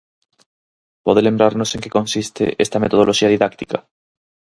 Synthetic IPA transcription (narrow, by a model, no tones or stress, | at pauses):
poðelẽmbɾaɾnose̞ŋkekõ̞nsist̪ḛʔest̪amet̪oð̞oloʃiaðiðak̚t̪ika